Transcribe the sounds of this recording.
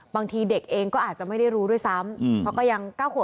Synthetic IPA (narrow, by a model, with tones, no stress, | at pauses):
baː˧ŋt̪ʰiː˧de˨˩k̚ʔeː˧ŋkɔː˥˩ʔaː˨˩t̪̚t͡ɕa˨˩ma˥˩jda˥˩jɾuː˦˥du˥˩əjsa˦˥m˨pʰɔ˦˥kɔː˥˩ja˧ŋkaː˥˩wkʰː